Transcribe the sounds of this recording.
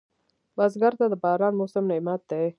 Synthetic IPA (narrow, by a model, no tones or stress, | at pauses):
bazɡaɾt̪ad̪əbɑːɾɑːnmosəmnaimat̪̚d̪e